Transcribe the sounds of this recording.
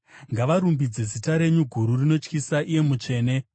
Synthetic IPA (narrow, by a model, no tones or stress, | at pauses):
ŋɡaʋaɾumbid͡ze̞zitaɾe̞ɲuɡʱuɾurino̞t͡ʃkisaʔije̞mut͡ʃe̞ːne̞